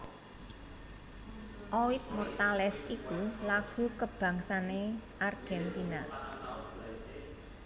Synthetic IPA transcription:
ʔowit̪̚mɔrt̪alɛsikulaɡ̥ṳkəb̥ä̤ŋsaneʔarɡ̥ɛnt̪ina

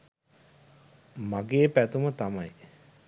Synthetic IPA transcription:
maɡeːpæt̪umət̪amaj

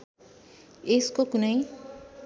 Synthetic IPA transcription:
eskokunʌj

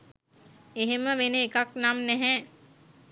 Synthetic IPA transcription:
eɦeməʋeneːkaknamnɛɦɛː

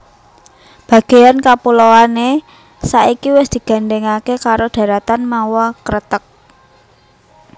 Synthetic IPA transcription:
b̥ä̤ɡ̥e̤jankapulowane | saʔikiwɪsd̪̥i̤ɡ̥a̤ɳɖɛŋakekaɾoɖ̥ä̤ɾat̪anmawɔkəɾət̪ək̚

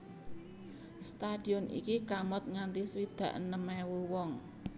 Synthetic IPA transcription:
st̪ad̥i̤ɔnʔḭkikamɔt̪̚ŋant̪iswid̪̥ä̤ʔnəmɛwuwɔŋ

